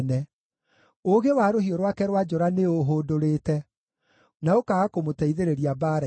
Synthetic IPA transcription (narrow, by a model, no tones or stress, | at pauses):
nɛ | oɣewaːɾoɦiɔɾwakɛɾwad͡ʒɔɾaneoɦoːdoɾeːtɛ | naokaɣakomotɛiðeɾeɾiabaɾ